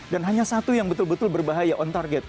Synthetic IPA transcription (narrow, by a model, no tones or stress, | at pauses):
danɦaɲasat̪ujaŋbət̪ʊlbət̪ʊlbərbaɦajaʔɔnt̪arɡɛt̪̚